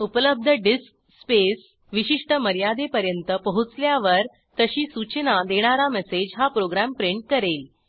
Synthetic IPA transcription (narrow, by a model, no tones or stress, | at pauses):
upələb̚d̪ʱəɖisk̚ | spes | ʋiɕiʂʈəməɾjad̪epəɾjənt̪əpəɦut͡sljaʋəɾ | t̪əɕiːsut͡ɕənad̪eɽ̃aɾamɛsed͡ʑɦapɾoɡɾæmpɾeɳʈ̚kəɾel